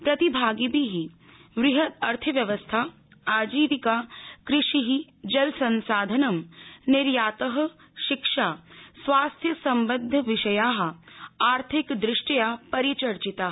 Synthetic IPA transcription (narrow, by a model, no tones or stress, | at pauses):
pɾɐt̪ibʱaːɡibʱiɦi | ʋɾɪɦɐt̪ɐɾt̪ʰɐʋjɐʋəst̪ʰa | aːd͡ʒiːʋikaːkɾɪʃiɦid͡ʒɐlsɐ̃nsaːd̪ʱɐnɐmnɪɾjaːt̪ɐɦ̆ | ʃɪkʃaːsʋaːst̪ʰjɐsɐ̃mbəd̪ʱːʋɪʃɐjaːɦaːɾt̪ʰɪkd̪ɾɪʃʈɐjapɐɾit͡ʃɐɾt͡ʃit̪aː